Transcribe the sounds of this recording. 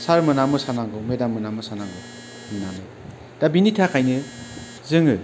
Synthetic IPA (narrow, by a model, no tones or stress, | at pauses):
saɾmɯnamɯsanaŋɡɯwmedamɯnamɯsanaŋɡɯw | hɯnanɯ | d̥abinitʰakʰajnɯ | zɯŋɯ